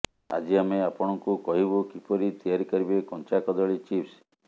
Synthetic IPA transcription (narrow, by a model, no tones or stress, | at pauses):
a̰d͡ʒiameapɔɽ̃ɔŋkukɔɦibukipɔɾit̪ijaɾikɔɾibekɔnt͡ʃakɔd̪ɔɭit͡ʃips